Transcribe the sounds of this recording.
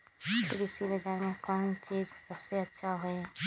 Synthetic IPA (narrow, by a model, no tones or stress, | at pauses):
pɪlisibɐd͡ʒaemẽkaːmt͡ʃiːd͡ʒsɐbseɐtːʃʰaɦoe